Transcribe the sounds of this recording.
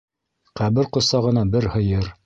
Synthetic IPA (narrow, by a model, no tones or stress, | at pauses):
qæβɘɾqŏsɑʁɤ̆nɑbɘɾhɤ̆jɤɾ